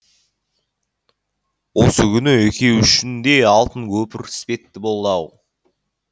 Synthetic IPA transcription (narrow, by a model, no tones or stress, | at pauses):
wosəkʲʰʏnɪekʲʰe̞wʏʃɪnd̪e̞ɑlˠt̪ənkʲʰɵpɪɾɪ̥spe̞t̪ːɪbo̞lˠd̪ɑw